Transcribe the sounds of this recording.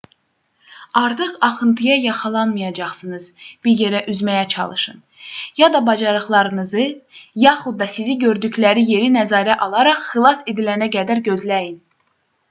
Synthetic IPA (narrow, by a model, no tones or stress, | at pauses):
ɑɾt̪ʰɯqɑχɯnt̪ʰɯjɑjɑχɑlˠɑnmɯjɑd͡ʒɑχsɯnɯzb̥iɾje̞ɾæʔyzmæjæt͡ʃʰɑ̰lˠɯ̰ʃɯ̰n | jɑd̪ɑbɑd͡ʒɑɾɯχlˠɑɾɯnɯzɯjɑχud̪ːɑsiziɟøɾd̪ycʰlæɾije̞ɾinæzɑːɾæʔɑlˠɑɾɑχːɯlˠɑsed̪ilænæɡæd̪æɾɟø̞zlæjin